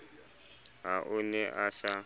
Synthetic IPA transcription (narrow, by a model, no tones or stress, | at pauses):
ɦaʔʊnɛʔasa